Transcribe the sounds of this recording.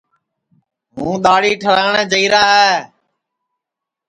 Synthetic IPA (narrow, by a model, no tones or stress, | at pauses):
mṵ̃ːɗ̪aːɽiːʈʰəlaːɪɳəːd͡ʒəiːɾaːɦɛː